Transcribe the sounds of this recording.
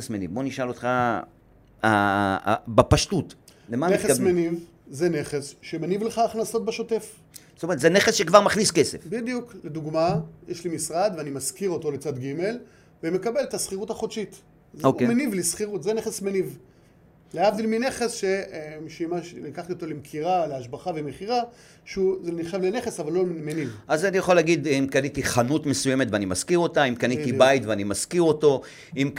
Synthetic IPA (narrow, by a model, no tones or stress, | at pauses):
esmenḭvbo̞niʃalotχa | a̰ | bapaʃtutlemaneχesmeniv | zene̞χesʃemenivleχaːχnaso̞t̪̚beʃo̞te̞f | so̥tomeet̪zeneχesʃekvaʁmaχniskesefbid̪jukled̪uɡmajeʃlimisʁad̪veanimaskiʁo̞t̪o̞let͡sad̪ɡime̞l | veme̞kabe̞let̪asχiʁutaχotʃit̪ | zomenivlisχiʁutzene̞χesmeniv | leavd̪ilmine̞χe̞sʃeemʃeimaʃnikaχt̪iot̪o̞lemkʰiʁaleaʃbaχavemeχiʁa | ʃeuzeniχʃavleneχesavalːolmenivazanijaχoleaɡid̪imkanit̪iχanutmesujemetveanimaskiʁo̞taimkanit̪ibajt̪veanimaskiʁo̞to̞ | im